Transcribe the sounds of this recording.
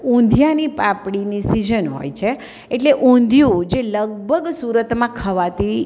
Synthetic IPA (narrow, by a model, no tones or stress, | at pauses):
ũnd̪ʱjanipapɽinisid͡ʒənɦo̰jt͡ʃʰe | eʈleʔũnd̪ʱjũd͡ʒeləɡ̚bʱəɡsuɾət̪mãkʰəʋat̪i